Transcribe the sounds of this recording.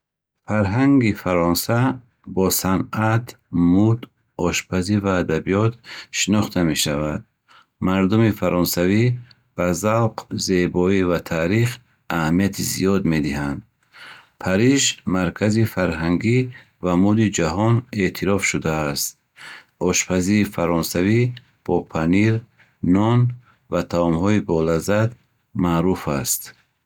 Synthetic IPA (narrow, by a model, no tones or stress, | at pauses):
faɾɦaŋɡifaɾɔnsa | bɔsanat̪ | mud̪ | ɔʃpʰazivaːd̪abijɔt̪ʃinɔχt̪ʰame̞ʃavad̪̚ | maɾd̪umifaɾɔnsavi | b̥azawqzebɔivat̪ʰaɾiχ | ʔahamijat̪ʰizḭjɔd̪me̞d̪ihand̪̚ | pʰaɾiʃmaɾkʰazifaɾɦaŋɡi | vamud̪id͡ʒaɦɔnet̪ʰiɾɔfʃud̪aːst̪̚ | ɔʃpʰaziɾifaɾɔnsavi | b̥ɔpʰaniɾ | nɔn | vat̪ʰaɔmhɔibɔlazad̪ | maʔɾufast̪